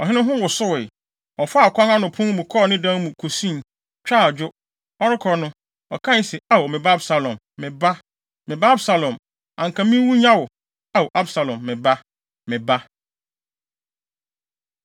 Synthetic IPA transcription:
ɔ˨ɦɪ̃˦nʊ̃˦ɦʊ̃˦wʊ˨sʊ˦wɪ˨ | ɔ˨fʊ˦a˨kʷʰã˦ŋã˦nʊ̃˨pʰʊ̃˦mũ˨kʰɔ˦˨nɪ̃˦dã˦mũ˨kʰo˨sĩ˦˨ | t͡ɕᶣa˦˨d͡ʑᶣʊ˦ | ɔ˦ɾɪ˦kʰɔ˨nʊ̃˦ | ɔ˨kʰã˦n˦sɛ˨a˦˨ɔ˨mɪ̃˨ba˦bsa˨lɔ̃˨mːɪ̃˨ba˦ | mɪ̃˨ba˦bsa˨lɔ̃˨m | ã˨ŋ̩˨kʰã˨mĩ˦wu˦ɲã˦wʊ˨ | a˨wo˨ʔa˦bsa˨lɔ̃˨mːɪ̃˨ba˦ | mɪ̃˨ba˦

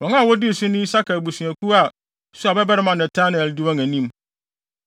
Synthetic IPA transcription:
wɔ̃˨ŋã˦˨wɔ˦di˦˨sʊ˦nʊ̃˦i˦sa˦kʰa˨bu˨sũ˨æ˨ku˦a˨ | su˦a˨bɛ˦bɛ˦ɾɪ˦mã˨nɛ˨tʰã˦n˨ɛ˨ldi˦wɔ̃˦ŋæ̃˨nĩ˦m

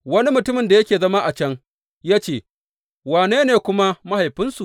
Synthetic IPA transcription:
wɐ˦ni˦mʊ˨tʊ˦mɪ˨nda˨jɐ˦kʲeː˨zɐ˦ma˦ʔa˨t͡ʃɐ˦ŋ | jaː˦t͡ʃeː˦˨ | waː˨neː˦neː˨kʷʊ˦ma˦ma˦ha˨jɸɪ˦nsu˨

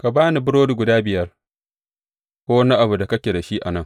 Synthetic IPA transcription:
ka˨baː˦ni˨bʊ˦ɾoː˦du˨ɡʷʊ˨daː˦bɪ˨jɐ˦r | kʷoː˦wna˦ʔa˨bu˨da˨kɐ˦kʲe˨da˨ʃiː˦ʔa̰˨nɐ˦˨ŋ

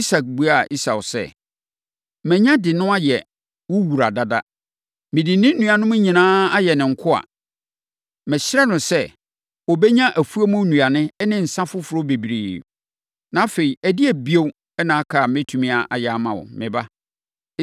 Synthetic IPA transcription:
i˦sa˨k̚bu˨a˦˨ʔi˦sa˨wsɛ̰˦˨ | mɛ̃˨ɲã˦dɪ˨nʊ̃˦a˦jɛ˨ | wʊ˦wu˨ɾa˨da˨da˦ | mɪ̃˨dĩ˨˦nɪ̃˦n̩˦nũ˨a˨nʊ̃˦mʊ̃˦ɲĩ˨nãː˦a˦jɛ˨nɪ̃˨ŋ̩˨kʰʊ˦a̰˨ | mɛ̃˨ɕɪ˦ɾɛ˦nʊ̃˨sɛ˦ | wɔ˨bɛ˦ɲã˦ʔæ˨fu˦a˦mʊ̃˦nũ˨a˨nɪ̃˦nɪ̃˦n̩˨sã˦fʊ˦fʊ˨ɾʊ˦be˨bi˨ɾeː˨ | nã˨˦fe˨i˨æ˨dɪ˦æ˨bi˦o˦w | ɛ˦nãː˨˦kʰa˨mɛ̃˦tʰũ˨mĩ˦a˨ʔa˨jɛ˨a˨mã˨wʊ̰˨mɪ̃˨ba˦

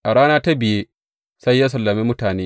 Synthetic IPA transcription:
ʔa˨ɽaː˦naː˦ta˦bɪ˨jeː˦ | sa˦jːa˦s̬ɐ˨lːɐ˨miː˦mʊ˦taː˨neː˦

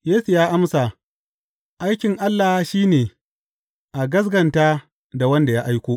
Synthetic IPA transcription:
jeː˦su˨jaː˦ʔa˦msa˨ | ʔa˦jkʲɪ˨ŋʔa˦lːaː˨hʃiː˦neː˨ | ʔa˨ɡɐ˦s̬ɡɐ˨ntaː˦ | da˨wɐ˦nda˨jaː˦ʔa˦jkʷoː˦ʔ

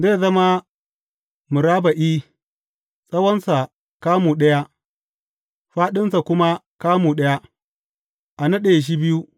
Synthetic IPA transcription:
zeː˦˨zɐ˦ma˦ | mʊ˨ɾaː˦ba˨ʔiː˦ | sʼɐ˦wɐ˦nsa˨ | kaː˦muː˨ɗɐ˦ja˦ | ɸaː˦ɗɪ˦nsa˨kʷʊ˦ma˦ | kaː˦muː˨ɗɐ˦ja˦ | ʔa˨nɐ˦ɗe˨jʃ̬i˦bɪ˦ju˦

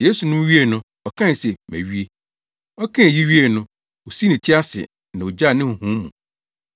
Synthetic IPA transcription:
je˦su˨nʊ̃˦m˦ɥi˦e˦˨nʊ̃˦ | ɔ˨kʰã˦n˨sɛ˨mæ̰̃˨ɥi˦e˦ | ɔ˦kʰã˦˨ji˦ɥi˦e˦˨nʊ̃˦ | o˨si˦nɪ̃˨t͡ɕʰɪ˦a˦sɪ̰˨ | nã˨o˨d͡ʑa˦˨nɪ̃˦˨hũ˦mṵ̃˨

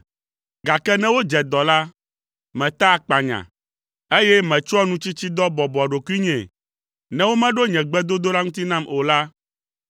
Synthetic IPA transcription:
ɡa˨kɛ˦nɛ̃˦wo˦d͡ʒɛ˨d̪ɔ˨la˦ | mɛ̃˨t̪a˦˨k͡pa˨ɲã̰˨ | e˦jɛ˦mɛ̃˨t͡ʃɔ˦nũ˦t͡ɕi˦t͡ɕi˦d̪ɔ˦bɔ˨bɔ˨ɖo˨ku˦i˦ɲɛ̃˨ | nɛ̃˦wo˦mɛ̃˦ɖo˦ɲɛ̃˨ɡ͡bɛ˦d̪o˦d̪o˦la˦ŋũ˦t̪i˦nã˦mo˨la˦

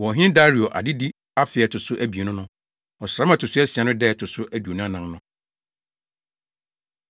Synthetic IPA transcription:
wɔ˨ɦɪ̃˦ɪ̃˦da˦ɾi˨ɔ˨ʔa̰˨dɪ˦di˦ | a˦fɪ˨ɛ˨tʰʊ˨sʊ˦ʔæ˦bi˨nʊ̃˦nʊ̃˦ | ɔ˨sɾa˦m˦ã˨tʰʊ˨sʊ˦ɛ˦si˨ã˨nʊ̃˦dɛ˦˨tʰʊ˨sʊ˦ʔæ˨du˨o˨nʊ̃˦a˦nã˨mnʊ̃˦

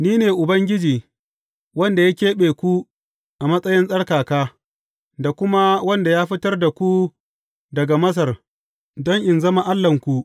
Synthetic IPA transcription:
niː˦neː˨ʔʊ˨bɐ˦ŋɡʲɪ˦d͡ʒiː˨ | wɐ˦nda˨ja˦kʲeː˦ɓeː˨kʷu˦ | ʔa˨mɐ˦sʼɐ˦jɪ˦nsʼɐ˦ɽkaː˨kaː˦ | da˨kʷʊ˦ma˦wɐ˦nda˨jaː˦ɸɪ˦tɐ˦rda˨kʷu˦ | dɐ˨ɡa˨mɐ˦s̬ɐ˨r | dɔ˦ŋʔɪ˨nzɐ˦ma˨ʔa˦lːɐ˨ŋkʷu˦˨

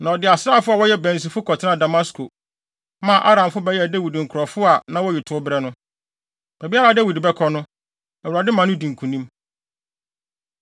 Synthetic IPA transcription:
nã˨ɔ˨dɪ˨a˨sɾaː˦˨fʊ˦a˨wɔ˦jɛ˦bɛ̃˨n˨s̬i˨fʊ˦kʰɔ˨tʰɪ˦nã˦˨da˨ma˦skʰo˨˦ | mã˨ʔa˦ɾã˨mfʊ˦bɛ˦jɛ˦˨dɛ˦wi˨dŋ̩˨kʰʊ˨ɾɔ˨fʊ˦a˨nã˦wɔ˦ji˨tʰʊ˨˦bɾɛ˦nʊ̃˦ | b̥æ˨bi˦a˦ɾa˦˨dɛ˦wi˨dbɛ˦kʰɔ˦nʊ̃˦ | æ˨wɾa˨dɪ˦mã˨nʊ̃˦di˨ŋ̩˨kʰũ˨nĩ˦m

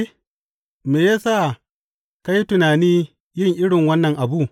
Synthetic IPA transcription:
meː˨jaː˦saː˦˨ | ka˦ji˦tʊ˨naː˨niː˦ | jɪ˦˨ŋʔɪ˦ɽɪ˨ŋwɐ˦nːɐ˨ŋʔa˨buː˦˨

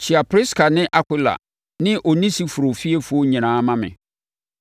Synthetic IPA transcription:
t͡ɕʰɪ˨a˨pʰɾi˦skʰa˨nɪ̃˦ʔa˨ki˦la̰˨ | nɪ̃˦ʔo˨nĩ˦si˦fu˨ɾo˨fi˦e˦fu˦o˦ɲĩ˨nãː˨˦mã˦mɪ̰̃˨

